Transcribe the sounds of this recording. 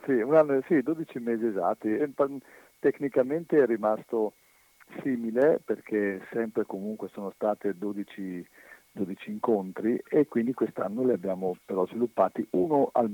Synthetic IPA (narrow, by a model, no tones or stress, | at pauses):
siunanːosid̪oːd̪it͡ʃimeːziezat̪ːiɛpa | t̪eknikament̪eɛrːimast̪o | siːmileperkʰesɛmpɾekomuŋkwesoːnost̪aːt̪ed̪oːd̪it͡ʃi | d̪od̪it͡ʃiːŋkont̪ɾiekːwind̪ikwest̪anːoleabjaːmopeɾɔzvilupːaːt̪iʔuːnoʔa̰l